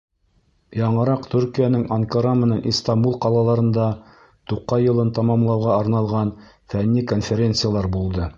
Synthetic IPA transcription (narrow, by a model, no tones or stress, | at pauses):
jɑɴɤ̆ɾɑqt̪ʰʉɾkijænɘŋɐŋkaɾɑmɘ̆nænʔist̪ɑmbulˠqɑlˠɑlˠɑɾɤ̆nd̪ɑ | t̪uqːɑjɤ̆lˠɤnt̪ɑmɑmlˠɑwʁɑɑɾnɑlˠʁɑn | fænːikonfʲeɾʲent̪sɨjalˠɑɾbulˠd̪ɤ